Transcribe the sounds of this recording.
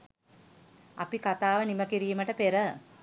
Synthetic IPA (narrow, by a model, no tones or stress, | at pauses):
a̰pikat̪aːʋəniməkiɾiːməʈəpeɾə